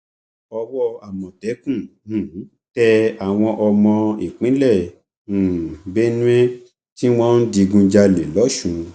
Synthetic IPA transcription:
ɔ˧wɔ˦a˨mɔ̃˨tɛ˨˦kũ˦˨ũ˨˦ | tɛ˧a˨w̃ɔ̃˧ʔɔ˧mɔ̃˧i˨k͡pĩ˨˦lɛ̃˦˨ | be˦ñ˦e˦ | ti˦w̃ɔ̃˦n̩˦di˧ɡũ˧d͡ʒa˧le˨lɔ˨˦ʃũ˨˦

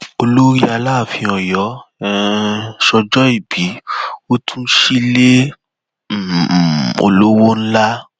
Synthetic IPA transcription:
o˧lo˦ɾi˦a˧laː˦˨fĩ˧ɔ̃˨jɔ˨˦ɛ˦ʃɔ˧d͡ʒɔ˦i˦˨bi˨˦o˦tʰũ˦ʃi˦le˦˨ | o̰˧lo˦wo˦n̩˦la˦

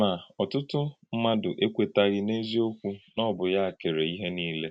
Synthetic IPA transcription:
ma˨ɔ˨tʊ˦tʊ˦m̩˦ma˦dʊ˨ʔe˦kʷe˨ta˦ɣɪ˦ne˦zi˦o˦kʷu˦nɔ˦bʊ˨ja˦a˨ke˨ɾe˨i˦ɦe˦niː˦le˦

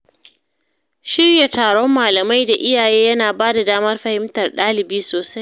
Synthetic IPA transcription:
ʃɪ˦rja˨taː˨ɽɔ˦mːaː˨lɐ˨ma˦jda˨ʔɪ˦jaː˨jeː˦jɐ˦naː˨baː˦da˨daː˦mɐ˦rɸɐ˨hɪ˦mtɐ˨rɗaː˦lɪ˨biː˦soː˨sa˦j

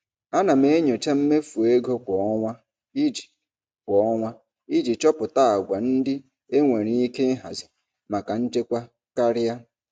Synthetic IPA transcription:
a˦na˨m̩˦e˦ɲo˨t͡ʃa˦m̩˦me˦fu˨e˦ɡo˦kʷɔ˨ɔ˦ŋʷa˦ | i˦d͡ʒi̥˨ | kʷɔ˨˦ɔ˦ŋʷa˦ | i˦d͡ʒi˨t͡ʃɔ˦pʊ˨ta˦a˨ɡʷa˨n̩˦dɪ˦ | e˦ŋʷe˨ɾi˦i˦ke˦ɦa̰˨zɪ˨ | ma˨ka˨n̩˦t͡ʃe˦kʷa˦ | ka˦ɾɪ˦a˦

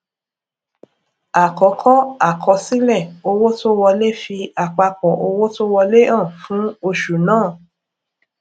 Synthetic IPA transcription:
a˨kɔ˨˦kʰɔ˦a˦˨kʰɔ˨˧si˦lɛ˦˨o˧wo˦to˦wɔ˧le˦fi˧a˨k͡pa˧k͡pɔ˨ʔo˧wo˦to˦wɔ˧le˦ã˦˨fũ˨˦o˧ʃu˨nãː˦˨

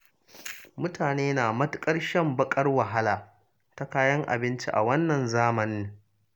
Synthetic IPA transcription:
mʊ˦taː˨neː˦naː˨mɐ˦tʊ˦kʼɐ˦rʃɐ˦mbɐ˦kʼɐ˦rwɐ˨ɦa˦laː˨ | ta˦kaː˦jɐ˦ŋʔa̰˨bɪ˦nt͡ʃi˦ʔa̰˨wɐ˦nːɐ˨nzaː˦mɐ˨nɪ˦ŋ

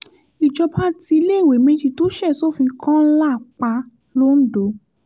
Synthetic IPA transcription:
i˨d͡ʒɔ˧pa˦ti˧i˧le˦˨we˨me˧˦d͡ʒi˧to˦ʃɛ˦˨so˦˨fĩ˧˦kʰã˦la˦˨k͡pa˧ | lo˦n̩˦do˨˦

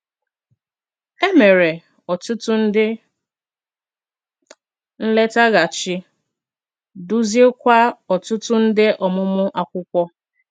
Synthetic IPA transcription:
e˦me˨ɾe˨ | ɔ˨tʊ˦tʊ˦n̩˦dɪ˦ | n̩˦le˦ta˦ɣa˨t͡ʃɪ˦ | du˦zi˦e˦kʷa˦ɔ˨tʊ˦tʊ˦n̩˦dɪ˦ʔɔ˨mʊ˦mʊ˦ʔa˨kʷʊ˦kʷɔ˦

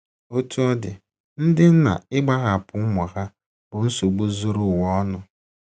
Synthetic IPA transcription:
o˦tʰu˦ɔ˦dɪ̰˨ | n̩˦dɪ˦n̩˦na̰˨ɪ˦ɡ͡ba˦ɣa˨pʊ˨˦mɔ˨ɣa˦ | bʊ˨n̩˦so˨ɡ͡bu˦zo˦ɾʊ˦˨wɔ˦nʊ˦

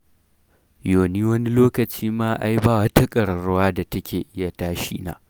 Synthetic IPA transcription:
joː˨niː˦wɐ˦ni˦loː˦kɐ˨t͡ʃiː˦maː˦ʔa˦jbaː˦˨wɐ˦ta˦kʼɐ˨ɽɐ˨ɾʊ˦waː˦da˨tɐ˦kʲeː˨ʔɪ˦ja˨taː˦ʃḭː˦na̰ː˦

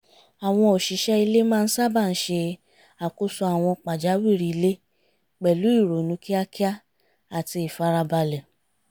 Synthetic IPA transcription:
a˨w̃ɔ̃˧o˨ʃi˨˦ʃɛ˦i˧le˦mãː˦˧n̩˦sa˦ba˦˨n̩˦ʃe˧ | a˨ku˦su˧a˨w̃ɔ̃˧k͡pa˨d͡ʒa˨˦wi˦˨ɾi˧˦le˦ | k͡pɛ˨lu˨˦i˦˨ɾo˨nũ˨˦ki˦a˦ki˦a˦ | a˨ti˧i˨fa˨˦ɾa˧ba˧lɛ˨

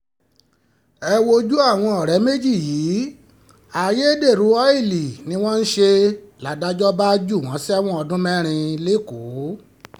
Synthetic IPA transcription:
ɛ˧wo˧d͡ʒu˦a˦˨w̃ɔ̃˧ɔ˨ɾɛ˨˦me˦d͡ʒi˦˨jiː˨˦ | a˨je˦de˦˨ɾu˨˦ɔ˦i˦˨li˨nĩ˧˦w̃ɔ̃˦n̩˦ʃe˧la˨˦da˨˦d͡ʒɔ˦ba˦d͡ʒu˦˨w̃ɔ̃˨˦sa˦w̃ɔ̃˦ɔ˧dũ˦mɛ̃˦ɾ̃ĩ˧le˦˨ko˨˦

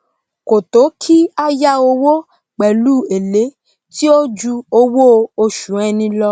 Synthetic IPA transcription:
ko˨to˨˦kʰi˦a˦ja˦o˧wo˦ | k͡pɛ˨luː˦˨e˨le˨˦ | ti˦o˦d͡ʒu˧o˧wo˦˧o˧ʃu˨˦ɛ˧nĩ˧lɔ˦

